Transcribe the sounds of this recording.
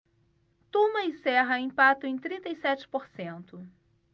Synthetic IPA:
t̪ũmɐɪsɛɦɐĩpat̪ʊẽj̃t̪ɾĩnt̪ɐjsɛt͡ʃɪ̥poɾsẽnt̪ʊ

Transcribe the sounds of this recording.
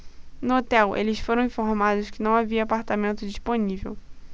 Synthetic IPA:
nʊot̪ɛwʔḛlɪsfoɾɐ̃w̃ĩfoɾmad̪ʊskɪnɐ̃w̃aviɐapaɾt̪amẽnt̪ʊd͡ʒisponivḛw

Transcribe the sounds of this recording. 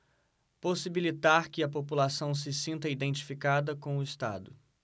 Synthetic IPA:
posibilit̪aɾkɪɐpopulasɐ̃w̃s̬ɪsĩnt̪ɐid̪ẽnt͡ʃi̥fikad̪ɐkõw̃ʊɪst̪a̰d̪ʊ

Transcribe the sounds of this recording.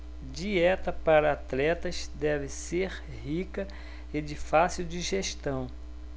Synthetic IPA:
d͡ʒiɛt̪ɐpaɾɐat̪lɛt̪ɐzd̪ɛvɪseɾ | hikɐ | ed͡ʒɪfasiwd͡ʒiʒeʃt̪ɐ̃w̃

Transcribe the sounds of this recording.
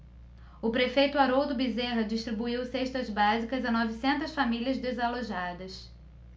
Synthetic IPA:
ʊpɾefejt̪ʊaɾowd̪ʊbizeɦɐd͡ʒiʃt̪ɾibuiwseʃt̪ɐzbazikɐzɐnɔvisẽnt̪ɐsfamiliɐzd̪ezaloʒad̪ɐs

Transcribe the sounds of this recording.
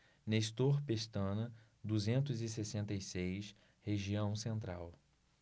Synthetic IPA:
nest̪oɾpest̪ɐ̃nɐ | d̪uzẽnt̪ʊzɪsesẽnt̪ɐjsejs | heʒiɐ̃w̃sẽnt̪ɾaw

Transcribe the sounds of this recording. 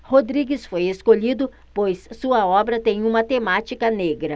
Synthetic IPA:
hod̪ɾiɡɪsfojeskoʎid̪ʊ | pojssuɐɔbɾɐt̪ẽj̃ũmɐt̪emat͡ʃikɐneɡɾɐ

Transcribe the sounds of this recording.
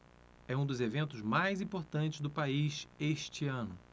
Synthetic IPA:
ɛũd̪ʊzevẽnt̪ʊzmajzĩpoɾt̪ɐ̃nt͡ʃɪzd̪ʊpaiʃeʃt͡ʃiɐ̃nʊ

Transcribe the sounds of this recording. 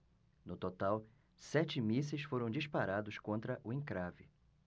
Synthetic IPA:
nʊt̪ot̪aw | sɛt͡ʃɪmisɪsfoɾɐ̃w̃d͡ʒispaɾad̪ʊskõnt̪ɾɐʔʊẽkɾavɪ̰

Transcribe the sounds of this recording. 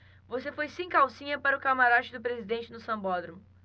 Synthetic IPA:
vosefojsẽj̃kawsĩɲɐpaɾʊkamaɾat͡ʃɪd̪ʊpɾezid̪ẽnt͡ʃɪnʊsɐ̃bɔd̪ɾõm

